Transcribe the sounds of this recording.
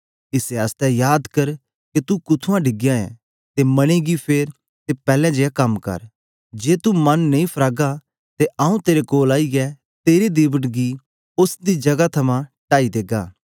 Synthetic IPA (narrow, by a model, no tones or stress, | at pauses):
ɪseɐst̪ɛjaːd̪kɐɾ | ket̪ukʊt̪ʰuãɖʱɪɡɪjãɛ̰̃ | t̪emɐɽ̃iɡipʰeːɾ | t̪epɛːlɛ̃d͡ʒeːjakɐmkɐ̰ɾ | d͡ʒeːt̪umɐnːɐĩpʰɾaːɡa | t̪eʔaːũt̪eːɾekoːlaːiɡɛ | t̪eːɾed̪ɪbəʈɡi | ʊsd̪id͡ʒɐɡat̪ʰɐmãʈaːid̪eːɡaː